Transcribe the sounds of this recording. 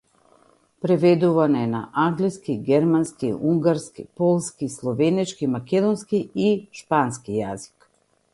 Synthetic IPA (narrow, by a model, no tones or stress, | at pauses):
pɾɛvɛd̪uvanɔɛna̰ʔaŋɡliskiɡɛɾmanskiuŋɡaɾskḭpɔlˠskislˠɔvɛnɛt͡ʃkimakʲɛd̪ɔnskiiʃpanskijazi̥k